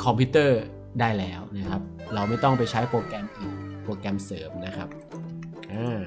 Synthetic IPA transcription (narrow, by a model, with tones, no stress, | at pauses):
kʰɔ˧mpʰi˦˥t̪ɤː˥˩ | daː˥˩jlɛː˦˥wna˦˥kʰa˦˥p̚ | ɾa˧wma˥˩jt̪ɔ˥˩ŋpa˧jt͡ɕʰa˦˥jpoː˧kɛ˧mʔɯː˨˩npoː˧kɛ˧msɤː˩˦mna˦˥kʰa˦˥p̚ | ʔaː˧˩